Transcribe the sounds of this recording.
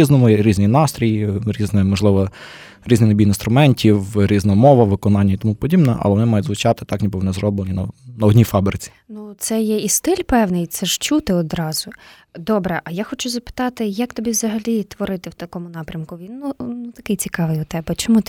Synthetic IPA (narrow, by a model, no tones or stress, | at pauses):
iznɔmʊɾʲiznijnɑst̪ɾʲijiɾʲiznɛmɔʒlˠɪʋɔ | ɾʲiznɪnɐbʲijinst̪ɾʊmɛnʲtʲiwɾʲiznɔɔmɔʋɐʋɪkɔnɑnʲːɐit̪ɔmupɔdʲibnɛ̰ʔɐ̰lˠɛʋɔnɪmɑjʊdʲzʋʊt͡ʃɑt̪ɪ̥t̪ɑknʲibɪʋɔnɛzɾɔblˠenʲinɐnɐɔdʲnʲifɑbɾɪt͡sʲi̥nut̪sɛjɛist̪ɪlʲpɛwnɪjt̪sɛʃt͡ʃut̪ɪɔd̪ɾɑz̥ʊ | d̪ɔbɾɛʔɐjaxɔt͡ʃʊzɐpɪ̥t̪ɑt̪ɪjɐkt̪ɔbʲiʋzɐɦɐlʲit̪ʋɔɾɪt̪ɪwt̪ɐkɔmʊnɑpɾʲɐmkʊʋʲinːunut̪ɐkɪjt͡sʲikɑʋɪjʊt̪ɛbɛt͡ʃɔmut̪